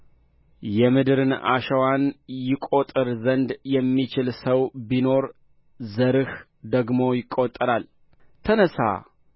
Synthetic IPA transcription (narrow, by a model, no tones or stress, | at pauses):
jɛmɨd̪ɨɾɨna̰ʃəwanjɪkʼot̪ʼɨɾzənd̪jɛmːit͡ʃɪlsəwbino̞ɾ | zəɾɨh | d̪əɡmo̞jɪkʼːot̪ʼːɨɾal | t̪ʰənəsa̰